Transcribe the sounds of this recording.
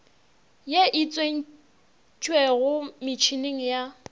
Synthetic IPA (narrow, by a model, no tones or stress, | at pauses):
jeʔit͡sʼwen̩ | t͡ʃʼweɣʊmɪt͡ʃʰineŋ̩ja